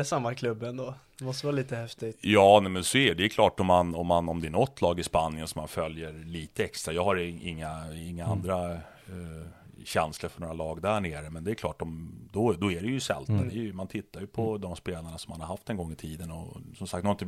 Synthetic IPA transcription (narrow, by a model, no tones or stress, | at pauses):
ɛsamːakʰlɵbːɛnd̪oːd̪ɛmɔst̪əʋvɑːliːt̪əhɛft̪ɪjɑːnɛmɛnsɔæd̪ɛːɾkʰlɑːʈɔmːanɔmːanɔmd̪ɛæɳɔt̪ʰːlɑːɡɪspanɪənsɔmːanfœljəɾliːt̪əɛkst̪ɾajɑːɡhaɾɪ̰ŋːaɪŋːaand̪ɾa | ɕɛnsləɾfœɳoːɾalɑːɡd̪æɳeːɾəmɛnd̪ɛːɾkʰlɑːʈːɔmd̪ɔd̪ɔæɖɛjɵsɛ̰lt̪d̪əæɾjmant̪ʰɪt̪ʰːaɾjɵpʰɔd̪ɔmspeːlaɳasɔmːanhaɾhaft̪ɛnɡɔŋːɪt̪ʰiːd̪ənɔsɔmsak̚t̪ɔnʰ